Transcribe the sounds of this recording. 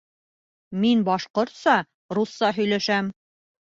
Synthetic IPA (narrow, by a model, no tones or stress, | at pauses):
minbɒʃqŏɾt̪sɑ | ɾusːɑɦɵ̆jlæʃæm